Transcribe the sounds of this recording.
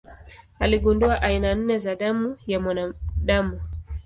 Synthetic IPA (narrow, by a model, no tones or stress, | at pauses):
aliɠunduaʔainan̩nɛzaɗamujamanaɗamu